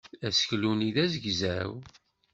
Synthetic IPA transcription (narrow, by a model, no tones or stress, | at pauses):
æsçluniðæzəɡzæw